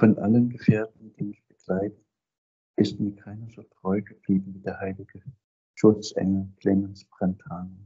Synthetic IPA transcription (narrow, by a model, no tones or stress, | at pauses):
fɔnʔa̰lənɡəfeːɐtn̩d̥iːmɪçb̥əɡ̥laɪtə | ʔɪstmiːɐkʰaɪnɐzoːtʁ̥ɔʏɡəb̥liːbm̩viːdeːɐhaɪlɪɡ̥ə | ʃʊt͡sʔɛ̰ŋəkʰl̥eːmənsb̥ʁ̥ɛnthaːnə